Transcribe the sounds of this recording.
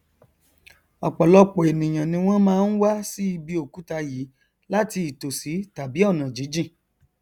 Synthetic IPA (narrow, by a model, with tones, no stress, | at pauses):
ɔ˨k͡pɔ˨lɔ˧k͡pɔ˨e˨nĩ˨j̃ã˨nĩ˧w̃ɔ̃˦mãː˦˧n̩˦wa˦si˦i˧bi˧o˦˨ku˨˦ta˧jiː˨˦ | la˦ti˧i˨to˨si˨˦ta˨bi˨˦ɔ˦˨nã˨d͡ʒi˨˦d͡ʒĩ˦˨